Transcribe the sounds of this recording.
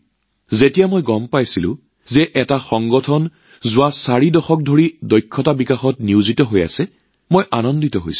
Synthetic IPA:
zetijamojɡɔmpajsilʊ̰̃ | zɛʔɛtaxɔŋɡɔtʰɔn | zʊwasaɹidɔxɔk̚dʱoɹidɔjkʰːɔtabikaxɔtniʊzitɔɦoja̰sɛ | mojʔanɔnditɔɦo̰js

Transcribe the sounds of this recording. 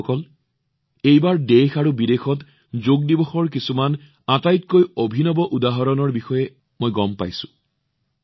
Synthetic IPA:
kɔl | ejbaɹdexaɹubidexɔt | zoɡ̚dibɔxɔɹk̬isuman | atajtkojobʱinɔbɔʔudaɦɔɹɔnɔɹbixɔjɛ | mojɡɔmpa̰jsʊ̥̃

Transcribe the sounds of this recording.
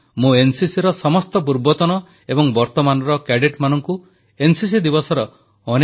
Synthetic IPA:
mũensisiɾɔsɔmɔst̪ɔp̬uɾbɔt̪ɔnɔ | ebɔŋbɔɾt̪ɔmanɔɾɔkeɖiʈmanɔŋku | ensis̬id̪ibɔsɔɾɔː | ne

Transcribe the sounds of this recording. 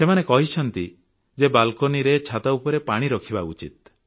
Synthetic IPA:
semanekɔɦit͡ʃʰɔnt̪i | d͡ʒebalkoniɾet͡ʃʰat̪aupɔɾepaɽ̃iɾɔkʰibaṵt͡ʃḭt̪̚

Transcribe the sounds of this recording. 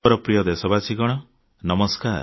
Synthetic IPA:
ɔɾɔpɾijɔd̪esɔbasiɡɔɽ̃ɔ | nɔmɔskaɾ

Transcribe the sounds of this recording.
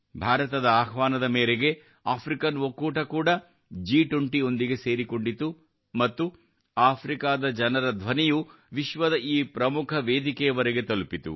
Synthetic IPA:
bʱaːɾɐt̪ɐd̪ɐaːxʋaːnɐd̪ɐmeːɾeɡe̞ | aːpʰɾikɐnʋokːuːʈɐkuːɽɐ | d͡ʒiːʈuɳʈio̞nd̪iɡe̞se̞ːɾiko̞ɳɖit̪u | mɐt̪ːu | aːpʰɾikaːd̪ɐd͡ʒɐnɐɾɐd̪ʱʋɐnɛju | ʋiʃʋɐd̪ɐʔiːpɾɐmukʰɐʋeːd̪ikɛjɐʋɐɾeɡe̞t̪ɐlupit̪ṵ

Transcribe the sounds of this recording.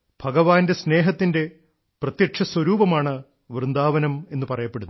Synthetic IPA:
b̥ʱɐɣɐʋaːnde̞sne̞ːɦɐt̪ːinde̞ | prɐt̪jɐʂɐswɐɾuːbɐmaːɳɨ | ʋrɨnd̪aːʋɐnɐme̞nːɨpɐrɐjɐpːeɽunː

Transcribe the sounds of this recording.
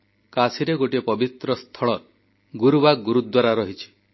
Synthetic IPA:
kasiɾeɡoʈiepɔbit̪ɾɔst̪ʰɔɭɔ | ɡuɾubaɡuɾud̪waɾaɾɔɦit͡ʃʰi̥

